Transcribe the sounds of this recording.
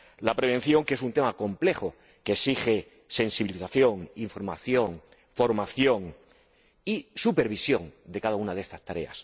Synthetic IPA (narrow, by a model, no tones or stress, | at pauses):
lapɾe̞β̞e̞n̟θjo̞ŋkeesunt̪e̞mako̞mple̞xo | kesixe̞ | se̞nsiβiliθaθjo̞ŋiɱfo̞ɾma̰θjo̞ŋ | fo̞ɾmaθjo̞ŋ | isupe̞ɾβ̞isjo̞ŋd̪e̞kaðaunaðest̪ast̪aɾe̞̰a̰s